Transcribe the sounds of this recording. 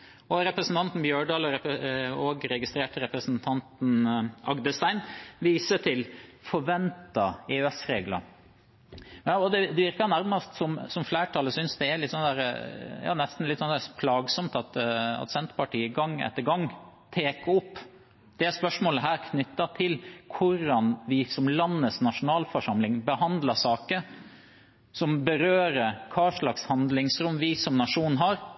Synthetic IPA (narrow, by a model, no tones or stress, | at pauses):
ɔɾɛpɾəsn̩t̪ɑnt̪n̩bjøːɖɑːlɔɾɛɔɡɾɛɡɪst̪ɾeːʈɾɛpɾəsnt̪ʰɑnt̪n̩ʔɑɡd̪əst̪æɪnʋiːsəʈʰɪlfɔɾʋɛnt̪ɑeʉɛsɾeːɡlɑ̰ | ɔd̪ɛd̪ɛʋɪɾkɑnæɾmɑst̪sɔmsɔmflæːʈʰɑːləsʏnsd̪ɛælɪt̪sɔnəd̪æːɾə̰jɑ̰ːnɛst̪n̩lɪt̪ːsɔnd̪æɾəpʰlɑːɡsɔmt̪ɑt̪ɑ̰t̪sɛnt̪pɑʈiːəɡɑŋːɛ̰t̪ːəɾɡɑŋːt̪ʰeːkɔpː | d̪̥ɛæɾspœʂmoːləɦæːɾkʰnʏt̪ːɑt̪ʰɪlkʰʊɾːɑnʋɪsɔmlɑnːəsnɑʂʊnɑːlfɔʂɑmlɪŋbəhɑnd̪lɑʂɑːkə | sɔmbəɾøːɾəɾkʰɑːʂɭɑkshɑnd̪lɪŋsɾʊmːʋɪsɔmnɑʂuːn̩ɦɑɾ